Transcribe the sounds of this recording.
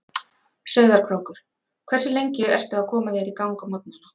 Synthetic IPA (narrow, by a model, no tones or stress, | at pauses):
sœːɥðaɾ̥kʰɾowŋkʏɾ̥ | kʰvɛrsʏlejɲcɪɛ̰r̥t̪ʏakʰɔːmaðjɛɾikawŋkamɔt̪̚nʏna